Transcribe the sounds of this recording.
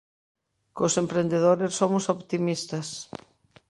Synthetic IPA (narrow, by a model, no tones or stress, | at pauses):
kosempɾend̪eðoɾessːomʊsoβt̪imist̪ɐs